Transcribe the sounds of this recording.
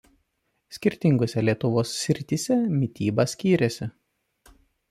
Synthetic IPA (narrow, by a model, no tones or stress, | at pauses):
sʲkʲɪɾʲt̪ʲɪŋɡʊsʲɛlʲiɛt̪ʊʋoːsːʲɾʲɪt̪ʲɪsʲɛmʲɪt̪ʲiːbɐsʲkʲiːɾʲɛsʲɪ